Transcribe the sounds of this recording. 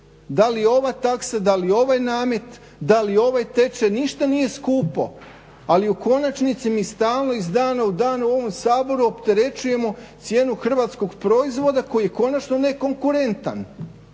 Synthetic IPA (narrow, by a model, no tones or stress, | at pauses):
d̪alijo̞ʋat̪aksad̪alio̞ʋajnaːme̞t̪ | d̪alio̞ʋajt̪e̞t͡ʃeniʃt̪anije̞skuːpo̰ | aliuko̞nat͡ʃnit̪simist̪aːlˠno̞izd̪aːnaud̪aːnuo̞ʋo̞msaːbo̞ɾuo̞pt̪e̞ɾe̞t͡ʃuje̞mo̞t̪sje̞ːnuxr̩ʋat̪sko̞ɡpɾo̞izʋo̞d̪ako̞jijeko̞nat͡ʃno̞ne̞ko̞ŋkuɾe̞nt̪a̰n